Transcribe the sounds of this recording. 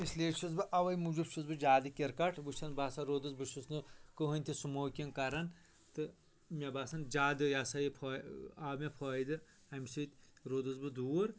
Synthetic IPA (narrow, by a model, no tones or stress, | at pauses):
isleːʃʰuzbɨʔɐʋɐjmud͡ʒubt͡ʃʰuzbɨd͡ʒaːd̪ɨkʲeɾkɐʈʰbɨt͡ʃʰɐnbaːsɐɾoːd̪ɨzbɨʃusnɨkɨɦɨnʲt̪ʲʰisumoːkʲinkɐɾɐn | t̪ɨ | mʲɐbaːsɐnd͡ʒaːd̪ɨjaːsɐjipʰɔːaːmʲepʰoːjd̪ɨ | ɐmʲsit̪ʲɾoːd̪ɨzbɨd̪uːɾ